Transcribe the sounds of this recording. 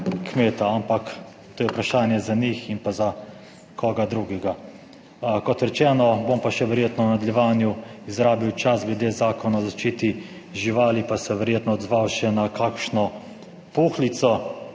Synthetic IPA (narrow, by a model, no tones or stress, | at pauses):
kmeːt̪aampak | t̪oːjɛupɾaʃaːnjɛzaniximpaza | kʰɔːɡad̪ɾuɡɛɡa | kɔt̪ɾɛt͡ʃɛːnɔbompaʃɛʋɛɾjeːt̪nɔnad̪ljɛʋaːnjuizɾaːbiwt͡ʃasɡlɛd̪eːzaːkɔnaɔzaʃt͡ʃiːt̪i | ʒiʋaːlipasɛʋɛɾjeːt̪nɔːd̪zʋawʃɛnakʰaːkʃnɔ | puːxlit̪sɔ